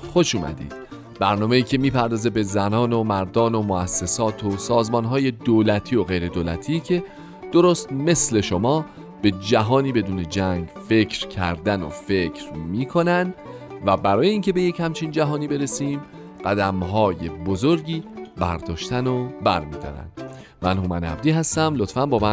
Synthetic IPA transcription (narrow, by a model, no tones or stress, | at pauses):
xo̞ʃuːmæ̰d̪ḭːd̪̥ | b̥æɾnɒːme̞iːcʰe̞miːpʰæɾd̪ɒːze̞be̞zænɒːno̞mæɾd̪ɒːno̞moæsːe̞sɒːt̪ʰosɒːzmɒːnɦɒːjed̪oːlæt̪ʰiːo̞ɣe̞jɾe̞d̪oːlæ̰t̪ʰiːcʰe̞ | d̪̥oɾoːst̪me̞sle̞ʃomɒː | b̥e̞d͡ʒæɦɒːniːbe̞d̪uːne̞d͡ʒæŋɟfe̞cʰɾcʰæ̰ɾd̪æno̰fe̞cʰɾmiːkʰo̞nænd̪væbæɾɒːjeiːŋcʲʰe̞be̞je̞chæmt͡ʃʰiːnd͡ʒæɦɒːniːbe̞ɾe̞siːm | ɢ̥æd̪æmɦɒːje̞bozo̞ɾɟiːbæ̰ɾd̪ɒːʃt̪ænobæɾmiːd̪ɒ̰ɾæ̰nd̪̥ | mænhumænæ̰b̚d̪iːɦæst̪æmlo̞t̪fænbɒːmæ